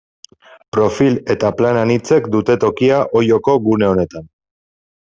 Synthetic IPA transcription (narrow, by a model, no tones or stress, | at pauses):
pɾo̞file̞t̪aplananit͡se̞kd̪ut̪e̞t̪o̞kiaʔo̞jo̞ko̞ɣune̞o̞ne̞t̪an